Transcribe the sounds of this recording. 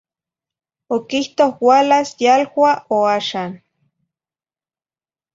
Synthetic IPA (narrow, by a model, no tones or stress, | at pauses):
okiht̪ohwaːlasjalhʷaoaːʃaːn